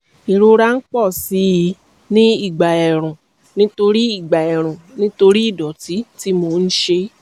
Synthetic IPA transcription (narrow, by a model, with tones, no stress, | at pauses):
i˨ɾo˧ɾa˦n̩˦k͡pɔ˦˨si˨˦ji˧˦ | nĩ˦i˦˨ɡ͡ba˨ɛ˨ɾ̃ũ˨ | nĩ˦to˧ɾi˦i˦˨ɡ͡ba˨ɛ˨ɾ̃ũ˨nĩ˦to˧ɾi˦i˦˨dɔ˨ti˨˦ti˦mo˧˦˧n̩˦ʃe˧